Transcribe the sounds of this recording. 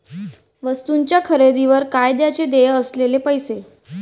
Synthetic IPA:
ʋəst̪uɲt͡ɕjakʰəɾed̪iʋəɾkajd̪jat͡sed̪ejəslelepəjse

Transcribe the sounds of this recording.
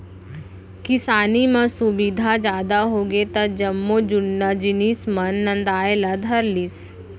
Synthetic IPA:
kɪsaːnimɐ̃sʊbid̪ʱad͡ʒjaːd̪aɦoːɡet̪ɐd͡ʒɐmːod͡ʒʊnːad͡ʒɪniːsmɐnːɐ̃nd̪aːelad̪ʱɐɾlis

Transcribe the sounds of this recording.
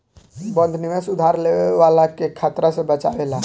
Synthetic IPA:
bə̃nd̪ʱnimesud̪ʱaɾleweʋalakekʰat̪ɾasẽbət͡ʃaʋela

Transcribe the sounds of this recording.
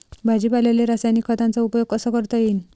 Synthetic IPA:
bʱad͡ʑipalaleɾasajnikʰːət̪ant͡saupjoɡ̚kəsəkəɾt̪əjiːn

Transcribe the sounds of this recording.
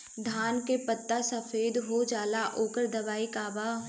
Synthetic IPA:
d̪ʱaːnkepət̪ːasəfeːd̪ɦod͡ʒaːlaʔoːkəɾd̪ɐʋaːikaːba

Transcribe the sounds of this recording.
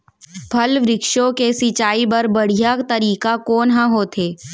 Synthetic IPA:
bʱɐlʋɾɪkʃõkesit͡ʃaːibɐɾbɐɽ̤ijakt̪ɐɾiːkakoːnɦãɦoːt̪ʰeː

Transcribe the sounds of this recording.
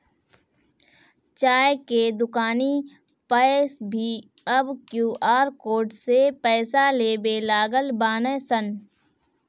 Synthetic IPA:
t͡ʃaːjked̪ʊkaːni | pɛsbʱiː | ɐbkjuːʔaːɾkoːɾɖsepɛːsaleːbelaːɡəlbaːnesən

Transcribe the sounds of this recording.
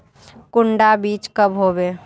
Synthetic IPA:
kʊɳɖabiːt͡ʃkəbɦoːbeː

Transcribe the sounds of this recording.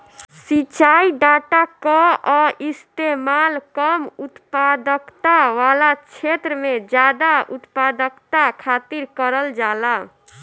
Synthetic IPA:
sit͡ʃaiɖaʈakɔɔist̪emalkəmut̪pad̪əkt̪aʋalat͡ʃʰet̪ɾəmed͡ʒad̪aut̪pad̪əkt̪akʰat̪iɾkəɾəld͡ʒala

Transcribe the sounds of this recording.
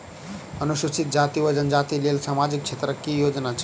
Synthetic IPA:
ənuʃusit̪̚d͡ʒat̪iʋəd͡ʒənd͡ʒat̪ilelsamad͡ʒik̚t͡ʃʰet̪ɾəkːijod͡ʒnat͡ʃʰ

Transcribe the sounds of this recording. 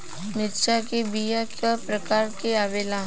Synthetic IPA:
mɪt̪ʃakebijakəpɾəkaːɾkeaʋeːlaː

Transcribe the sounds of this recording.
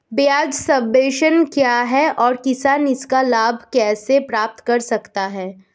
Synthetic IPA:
bjaːd͡ʒsɐ̃mbeːʃənkjaːɦɛʔɔːɾkɪsaːnɪskalaːbʱkɛːsepɾaːp̚t̪kɐɾsɐkt̪aɦɛː

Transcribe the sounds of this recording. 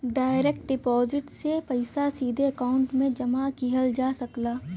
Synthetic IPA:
ɖaːɪɾek̚ʈ̚ɖɪpɔːzɪʈsepɐɪsasiːd̪ʱeɐkaːʊ̃ɳʈmẽd͡ʒɐmakiɦəld͡ʒaːsɐklaː

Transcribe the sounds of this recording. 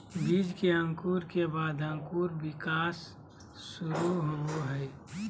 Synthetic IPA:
biːd͡ʒkeə̃ŋkuːɾkebaːd̪ə̃ŋkuːɾbɪkaːsː | ʊɾuɦoboɦɛɪ

